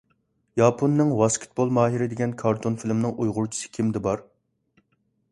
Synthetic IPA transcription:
jɑpʰonːɪŋwɑskʲʰɪ̥t̪̚bolˠmɑːɦiɾɪd̪ɪɡʲɛnkʰɑɾt̪ʰonfilmnɪŋʔujʁʊɾt͡ʃʰi̥sɨ̥kʲʰimd̪ɛbɑɾ

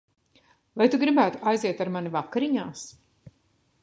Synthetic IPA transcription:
vajt̪uɡɾibæːt̪uʔajziɛt̪aɾmanivakːaɾiɲaːs

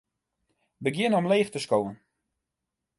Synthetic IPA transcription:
bəɡjɪnəɔmleːxtəskowən

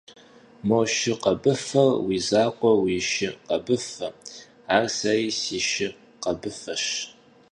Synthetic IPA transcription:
moʃɪqɐbɨfɐrwiːzaːqʷʼɔwiʃɪqɐbɨfɐ | aːrsɐriːsiːʃɪ | qɐbɨfɐʃ

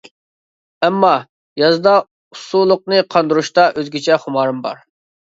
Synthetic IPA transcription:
ɛmːɑ | jɑzɨd̪ɑ | usulˠːʊq̚nɨqʰɑnd̪uɾuʃt̪ɑʔøzɡʲit͡ʃʰɛχʊmɑːɾɨmbɑ̰ɾ

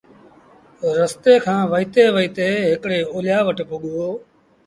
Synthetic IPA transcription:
ɾəst̪eːkʰãːʋəiːt̪eːʋəiːt̪eːɦɪkɽeːoːljaːʋəʈpʊɠoː

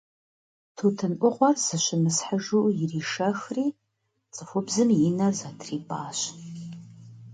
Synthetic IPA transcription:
tʰutʰɨnʔʷʊʁʷɔrz̥ɨɕʷɪmɨsħəʒuːjɪriːʂɐxriː | t͡sʼɨfʷʊbzɨmjɪnɐrzatʰriːpʼaːɕ

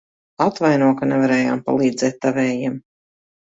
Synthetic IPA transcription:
at̪vajnuɔkanɛvaɾɛːja̰ːmpa̰lˠiːd̪zɛːt̪ːavɛːjiɛm

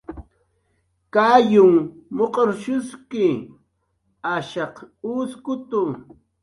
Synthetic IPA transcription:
kajʊŋmoqʼoɾʃʊskɪ | aʃɑquskʊt̪ʊ

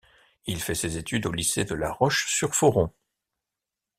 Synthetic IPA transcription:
ilfɛsezet̪yd̪olised̪əlaʁɔʃsyʁfɔʁɔ̃

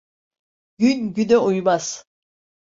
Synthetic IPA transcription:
ɟ̥ynɟynɛujmaz̥

